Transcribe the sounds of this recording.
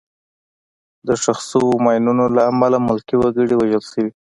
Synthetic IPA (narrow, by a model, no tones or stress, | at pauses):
d̪əʃaxsəwomɑjnunolaːmalamʊlkiwaɡəɽiwaʒəlʃəwi